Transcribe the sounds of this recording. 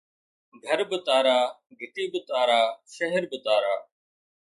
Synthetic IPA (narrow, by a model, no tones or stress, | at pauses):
ɡʱəɾbɪt̪aːɾaː | ɡʱɪʈiːbɪt̪aːɾaːʃəɦəɾbɪt̪aːɾaː